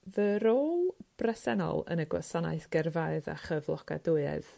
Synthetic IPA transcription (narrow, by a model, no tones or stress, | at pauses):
vəɾoːlˠb̥rɛsɛnɔ̰lˠə̰nəɡwa̰sana̰ɨθɡ̥ɛrvaɨða̰χəvlˠɔɡ̥a̰duɨɛ̰ð̥